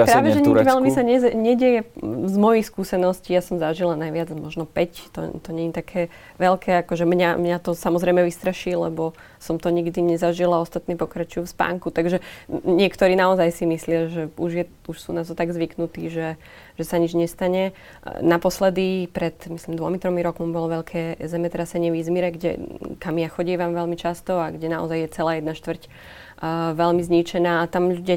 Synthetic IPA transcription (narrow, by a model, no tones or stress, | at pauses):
pɾaːʋɛʒɛɲiɡʋɛʎmisaɲɛzɲɛɟɛjɛzmɔjixskuːsɛnɔsciːjasɔmzaʒilanajʋɪad͡zmɔʒnɔpɛct̪ɔ̰t̪ɔɲɛɲit̪akʰɛː | ʋɛlkʰɛːakɔʒɛmɲamɲat̪ɔsamɔzɾɛjmɛʋist̪ɾaʃiːlɛ̰bɔ | sɔmt̪ɔɲiɡd̪iɲɛzaʒilaɔst̪at̪niːpɔkɾat͡ʃujufspa̰ːŋkut̪aɡʒɛɲɪɛkt̪ɔɾiːnaɔzajsimislɪaʒɛuʒjɛ | uʃsṵːnat̪ɔt̪aɡzʋiknut̪iːʒɛ | ʒ̥ɛsaɲid͡ʒɲɛst̪aɲɛ | napɔslɛd̪ipɾɛt̪mislimd̪ʋɔmit̪ɾɔmiɾɔkmɔmbɔlɔʋɛʎkʰɛːzɛmɛt̪ɾasɛɲɪɛʋizmiɾɛɡɟɛ̰kamiaxɔɟɛːʋamʋɛlmit͡ʃast̪ɔaɡɟɛnaɔ̰zajjɛt͡sɛlaːjɛd̪naʃt̪ʋrc | ʋɛʎmizɲit͡ʃɛnaːt̪amʎuuɟa